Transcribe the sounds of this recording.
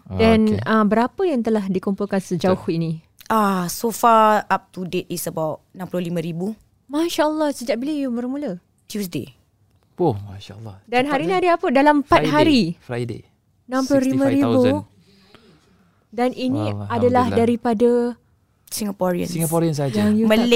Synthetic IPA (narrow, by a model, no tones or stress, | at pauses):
danabəɾapəjaŋt̪əlahdikumpulkansəd͡ʒaʊhinĩ | ʔasofaap̚tudetisəbawt̚nãmpulʊlimə̃ɾibu | maʃaʔəlːɑhsəd͡ʒaʔbilajubərmũlə | tjusdḛ | puhmaʃalːɑ̰danɦaɾiniadəapədalampaɦaɾifɾajdḛ | nãmpulʊhlimə̃ɾibbu | danʔinĩadalahdaɾipada | siŋapɔɾiə̰̃nsiŋɡapɔɾians̬ad͡ʒajuməl